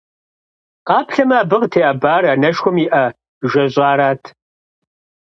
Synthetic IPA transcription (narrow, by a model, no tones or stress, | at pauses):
qaːpɬɐmaːbɨʁtʰeːaːbaːranɐʃxʷɔmiʔɐ | ʒɐʑʷʼɑːɾaːtʰ